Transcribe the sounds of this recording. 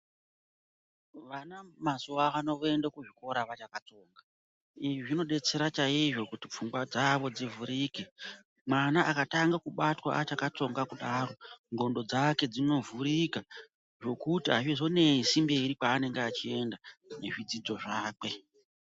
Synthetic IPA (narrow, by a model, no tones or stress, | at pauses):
ʋanamasuaʋano̞ʋe̞ndakuʐiko̞ɾaʋat͡ʃakat͡so̞ːŋɡa | iʐiʐino̞ɗe̞t͡se̞ɾat͡ʃaiʐo̞kutip͡fuŋɡwad͡zaʋo̞d͡zivuɾiːke | mwanaʔakataŋɡakuɓatwa̰ʔat͡ʃakat͡so̞ŋɡakuɗaːɾo̞ŋɡo̞ndo̞d͡zake̞d͡zino̞vuɾika | ʐo̞kutiɦaʐizo̞ne̞isimbeɾipaːne̞ŋɡeat͡ʃie̞ndane̞ʐid͡zid͡zo̞ʐaːk͡pe̞